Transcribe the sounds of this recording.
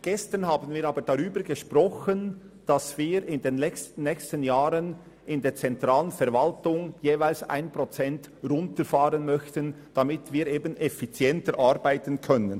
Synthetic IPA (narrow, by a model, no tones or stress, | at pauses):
ɡ̥ɛstənhaːbənviːɾaːbədaʁyːbəɾɡeʃpʁɔxənd̥asv̥iːɾɪndenlɛçstən̩ːɛːçstənjaːɾən | ɪndeːt͡sɛntʁaːlənfɛɾvaltʊŋjeːvaɪlsa̰ɪnpʁɔt͡sɛnt | rʊntəfaːʁənmœçtənd̥amɪtviːɾeːbənɛfit͡sjɛntəɾʔaɾbaɪtənkʰœnən